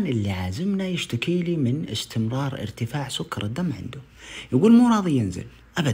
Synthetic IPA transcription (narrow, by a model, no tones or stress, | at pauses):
nʔɪlːiʕaːzɪmnajɪʃt̪akiːliːmɪnɪ̰st̪ʰɪmɾˤɑːɾˤɪ̰ɾt̪ɪfaːʕsʊkːɑɾˤɪd̪ːamːʕɪ̰nd̪ʊ | jɪɡuːlmuːɾˤɑːðˤijɪnzɪ̰l | ʔaba